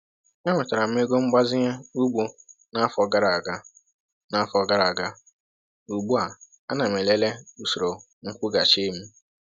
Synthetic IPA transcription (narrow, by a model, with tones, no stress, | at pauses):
ɲa˦ŋʷe˨ta˨ɾa˨m̩˦e˦ɡo˦ŋ͡m̩˦ɡ͡ba˦zɪ˦ɲa˦u˦ɡ͡bo˦na˦fɔ˨ɡa˦ɾa˨a˨ɡa˦ | na˦a˦fɔ˨ɡa˦ɾa˨a˨ɡa˦ | u˨ɡ͡bu˦a˨ | a˦na˨m˨e˨le˦le˦u˦so˨ɾo˨ | ŋ̩˦kʷʊ˦ɡa˨t͡ʃe˦m̩˦